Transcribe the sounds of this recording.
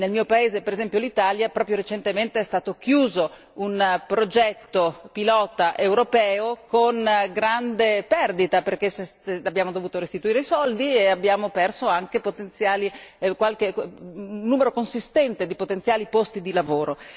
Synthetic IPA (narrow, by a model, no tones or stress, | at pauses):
nelmiːopaeːzepeɾezɛmpjolit̪aːljapɾɔːpɾjoɾet͡ʃent̪ement̪eɛst̪aːt̪ok̟juːzo | unpɾod͡ʒɛt̪ːopilɔːt̪aʔewɾopɛːokonɡɾand̪epɛrd̪it̪aperkesesabːjaːmod̪ovuːt̪oɾest̪it̪uiːɾeisɔld̪ieabːjaːmopɛrsoaŋk̟epot̪ent̪sjaːlikwalk̟e | nːuːmeɾokonsist̪ɛnt̪ed̪ipot̪ent̪sjaːlipost̪id̪ilavoːɾo